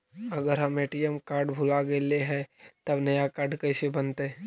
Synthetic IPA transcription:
ɐɡəɾɦɐmeːʈijəmkaːɾɖbʱʊlaɡeleɦɛ̃t̪ɐbnɐjakaːɾɖkɐɪsebɐnt̪e

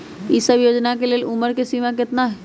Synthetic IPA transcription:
isəbjoːd͡ʒnakeleːlʊməɾkesimãk̬ɪt̪naɦ

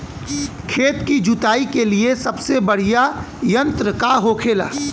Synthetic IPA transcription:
kʰeːt̪kid͡ʒʊt̪aːikeliesɐbsebɐɽ̤ija | jɐ̃nt̪ɾəkaɦoːkʰeːla̰ː

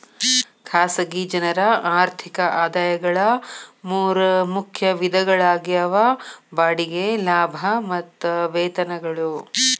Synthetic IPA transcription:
kʰaːsɐɡid͡ʒɐnɐɾɐaːɾt̪ʰikɐʔaːd̪aːjɐɡɐɭɐmuːɾɐmukʰjɐʋid̪ʱɐɡɐɭaːɡiɐʋɐbaːɽiɡelaːbʱɐmɐt̪ːʋɛːt̪ɐnɐɡɐɭu

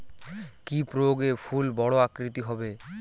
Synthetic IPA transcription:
kipɾoɡefʰulbɔɽoakɾit̪iɦɔbe

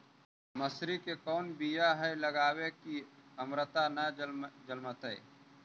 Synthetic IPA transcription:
məsɾikekɔːnbijaɦɛləɡaːwekiəmɾət̪anəd͡ʒəlmət̪ɛː

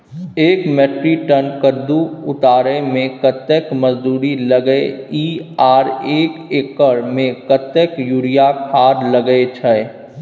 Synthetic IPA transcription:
eːkmɛːʈɾiʈənkəɾd̪uʊt̪aːɾemẽkət̪ekməzd̪uːɾiləɡeiːaːɾeːkeːkəɾmẽkət̪ekjuːɾijakʰaːɾləɡəet͡ʃʰɛ

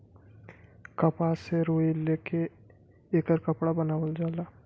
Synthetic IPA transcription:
kəpaseɾoːileːke | eːkəɾkəpɽabənaːwəld͡ʒaːlaː

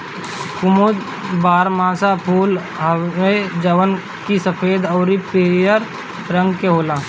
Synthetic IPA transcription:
kʊmod̪ | baːɾmãːsapʰuːl | ɦəed͡ʒəʋən | kisəpʰeːd̪ɔːɾipeːjəɾ | ɾə̃ŋɡkeɦoːlaː

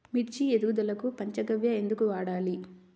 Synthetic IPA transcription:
miʈd͡ʒied̪uːud̪ɐlɐkupɐɲt͡ʃɐɡɐʋjɐe̞nd̪ukuʋaːɽaːli

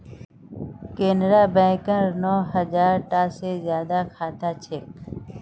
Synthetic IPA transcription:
keːnɾaːbɛ̃ːkəɾnɔːɦəd͡ʒaːɾʈaːseːzjaːd̪aːkʰaːt̪aːt͡ʃʰek̚

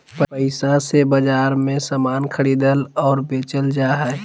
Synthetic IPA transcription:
pəpəɪsasebəd͡ʒaːɾmẽsaːmaːnkʰəɽiːd̪əlɔːɾbeːt͡ʃəld͡ʒaːɦɛ

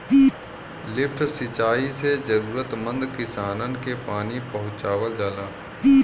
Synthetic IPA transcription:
lɪpʰʈʰsɪt͡ʃaːised͡ʒəɾuːɾət̪mə̃nd̪kɪsaːnənkepaːnipɐɦʊ̃t͡ʃaːwəld͡ʒaːlaː

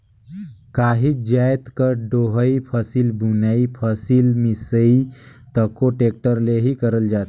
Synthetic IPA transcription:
kaːɦid͡ʒajt̪kəɾɖoɦəipʰəsilbunaipʰəsilmisəit̪əkoʈek̚ʈəɾleɦikəɾəld͡ʒaːt̪

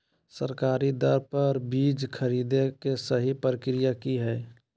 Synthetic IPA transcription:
səɾkaːɾid̪əɾpəɾbiːd͡ʒkʰəɾiːd̪ekesəɦipɾəkɾijakiɦɛː

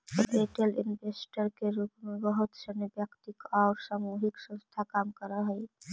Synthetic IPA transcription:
t̪ɔeʈelɪ̰nbesʈəɾkeɾuːpmebəɦʊt̪sənebjəkt̪ikɔʊɾsamuɦiksə̃nst̪ʰakaːmkəɾəɦəj

